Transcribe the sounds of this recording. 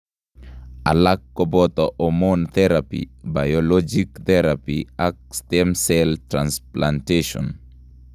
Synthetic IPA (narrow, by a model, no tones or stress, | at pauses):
a̰lakːɔbɔt̪ɔʔɔmɔnt̪ɛɾapḭbajɔlɔd͡ʒikt̪ɛɾapiak̚stɛmsɛltɾansplanteʃɔ̰n